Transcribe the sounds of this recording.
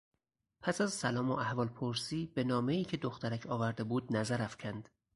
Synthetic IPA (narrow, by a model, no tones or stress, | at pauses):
pʰæsæzsælɒːmoʔæhvɒːlpʰoɾsiːb̥e̞nɒːme̞iːcʰe̞d̪oxt̪æɾæcʰɒːvæɾd̪e̞buːd̪̚næzæɾæfcʰænd̪̥